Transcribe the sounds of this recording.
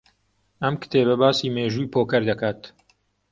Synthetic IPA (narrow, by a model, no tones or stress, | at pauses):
ɐmkɨ̥t̪ʰeːbɐbaːsiːmeːʒuːjpʰoːkɐɾd̪ɐkaːt̪